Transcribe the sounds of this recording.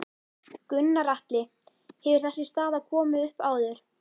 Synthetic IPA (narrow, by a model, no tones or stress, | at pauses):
kʏnːaɾaht̪lɪ | hɛvʏɾ̥θɛsːɪst̪aːðakʰɔːmʏʏhpaːwðʏɾ̥